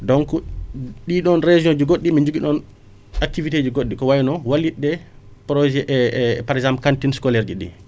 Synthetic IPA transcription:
dɔŋkɔɗiɗɔnɾed͡ʒiod͡ʒiɡoɗːimiɲd͡ʒuɡiɗɔn | ak̚tivited͡ʒiɡoɗːikɔwajinɔwalːiɗːɛ | pɾɔd͡ʒɛʔpaɾɛzampkantinskɔlɛɾd͡ʒiɗḭ

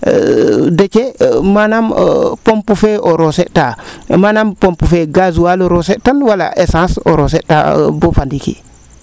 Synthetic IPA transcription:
det͡ʃemanampompufeʔoɾoseʔtamanampõmpufeɡazuwaloɾosetanwala̰ʔesãːso̰ɾoseta̰bofandikḭ

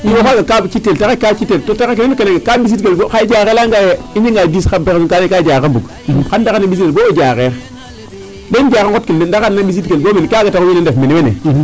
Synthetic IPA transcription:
iwafaɡakabt͡ʃitːeltakekat͡ʃitːeltotakekenekeneŋkabis̬itɡelbokaid͡ʒakelaŋɡajeiɲiŋɡadiskabeksunkanekad͡ʒakanbuk | kandakanːabisiebod͡ʒakeɾ | lend͡ʒakankotkinendakanːabis̬itɡelbomenkaɡatakwinendefmenkenḛ

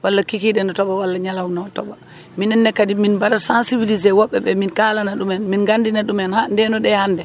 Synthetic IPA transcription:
walːakikiɗɛnɔtɔɓawalːaɲalawnɔtɔ̰ba | minɛnːɛkːadiminbaɾasansibilizɛwɔɓːɛɓɛminkalanaɗumɛnminɡandinaɗumɛnhandɛnɔɗɛhandɛ

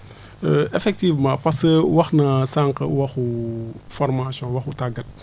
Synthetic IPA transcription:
ʔefɛk̚tivmãːpɐsəwɐxnɐsaŋkɐ̰wɐxufɔɾmasjɔ̃wɐxutaɡɐt̚

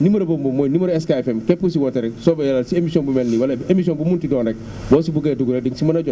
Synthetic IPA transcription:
nimoɾebombomːojnimoɾeskaefemkepkusiwoteɾesobjalasiemisionbumelniwalaemisionbumuntidoːnek̚ | boːsibuɡeduɡuɾediŋsimanaɟo

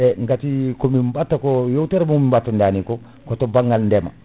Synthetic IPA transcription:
eŋɡatikomimbatːakojowteɾmomimbatːandaːniko | kotobaŋɡalndema̰

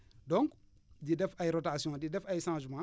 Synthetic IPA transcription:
dɔ̃ŋk | didɛfajɾotasijɔ̃didɛfajʃãːʒimã

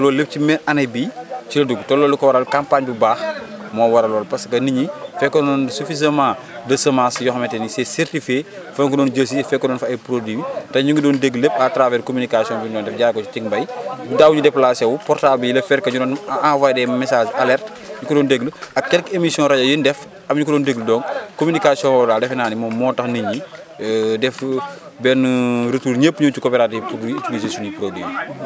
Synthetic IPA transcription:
lɔːlːep̚cimɛnɐnɐjbiːcilɐduɡtɔlːɔːlukɔwɐɾalkampaɲbibaːxmɔːwɐɾɐlɔːlpɐskɐniɲifɛkːɔɔnsufizɐmãː | dɐsɐmãsjɔxmɛtɛnisɛsɛɾtifje | fɐɲkɔdɔːnɟɐs̬ifɛkːɔnɔːnfɐɐjpɾodwiːwitɐɲuŋɡudɔːndeɡlepatɾavɛːɾkomynikasijɔ̃nbundɔːndɛfɟaːɾkɔt͡ʃutiŋbɐjdaːwuɲudɛpːlasɛwupɔrtabilɐfɛɾkɐɲudɔːnawajdɛmɛsaːd͡ʒalɛrt | ɲukɔdɔːndeɡləɐkːɛlkemisijɔ̃ɾɐɟɐjindɛf | ɐmɲukɔdɔːndeɡlədɔːnkomynikasiɔ̃ŋɔdaːldɛfɛnaːnimɔːmɔːtɐxniɲi | dɛf | bɛnɾətuːɲepːɲut͡ʃukoːpɛɾatipːdwit͡ʃuɡisesunipɾodwiwi

